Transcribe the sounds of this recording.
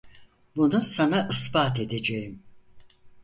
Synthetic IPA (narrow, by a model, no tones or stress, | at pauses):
bunusanaʔɯsbaːt̪ʰe̞d̪e̞d͡ʒejim